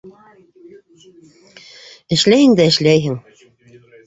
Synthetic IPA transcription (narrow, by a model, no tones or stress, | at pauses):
ɘ̆ʃlæjɘ̆ŋd̪æɘ̆ʃlæjɦɘŋ